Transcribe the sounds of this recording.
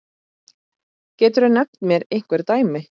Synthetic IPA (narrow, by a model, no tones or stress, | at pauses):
cɛːt̪ʏɾanɛkt̪mjɛɾejŋ̥kvɛɾ̥t̪aːjmɪ